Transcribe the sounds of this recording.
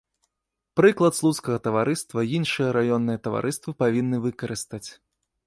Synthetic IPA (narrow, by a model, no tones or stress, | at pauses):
pɾɨklˠɐt̪slˠut̪skɐɣɐt̪ɐvaɾɨst̪vɐjinʂɨjɐɾajɔnːɨjɐt̪ɐva̰ɾʔɨst̪vɨpavʲinːɨvɨkɐɾɨst̪at͡sʲ